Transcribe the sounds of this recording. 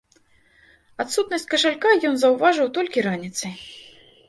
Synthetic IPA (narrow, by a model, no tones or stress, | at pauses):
at̪sut̪nɐsʲt͡sʲkɐʂalʲkajɔnzɐwvaʐɨwt̪ɔlʲkʲiɾanʲit̪sɨ